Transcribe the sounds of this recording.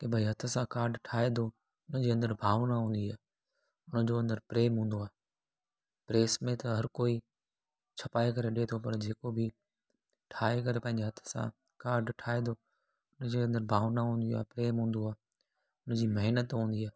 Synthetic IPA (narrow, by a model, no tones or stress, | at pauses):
kebʱɐiɦɐt̪ʰə̆sãkaːɾɖʈʰaːed̪o | ʊnəd͡ʑeːɐ̃nd̪əɾbʱaːʋnaɦũːnd̪iaː | ʊnəd͡ʑoɐ̃nd̪əɾpɾeːmɦũːn̆d̪oaː | pɾeːsmẽt̪ɐɦɐɾkoːi | t͡ɕʰɐpaːekɐɾeɗet̪ʰopɐɾd͡ʑeːkobʱɪ | ʈʰaːek̬ɐɾepɐ̃ɦɪ̃ɲd͡ʑeɦɐt̪ʰə̥̆sã̰ | kaːɾɖʈʰaːed̪o | ʊnd͡ʑeɐ̃nd̪əɾbʱaːʋnaɦũːnd̪ioaːpɾeːmɦũːn̆d̪oaː | ʊnd͡ʑiːmɐɦnət̪ɦũːnd̪iaː